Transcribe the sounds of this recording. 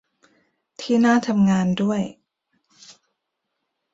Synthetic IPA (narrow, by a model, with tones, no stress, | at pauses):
t̪ʰiː˥˩naː˥˩t̪ʰa˧mŋaː˧ndu˥˩əj